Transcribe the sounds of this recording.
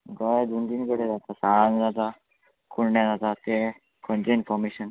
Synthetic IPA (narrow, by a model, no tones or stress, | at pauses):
ɡɔd̪und̪inkəɽed͡zat̪asand͡zat̪a | kʰuɽɳjãd͡zat̪at̪e | kʰɔnt͡seinfɔɾmeɕən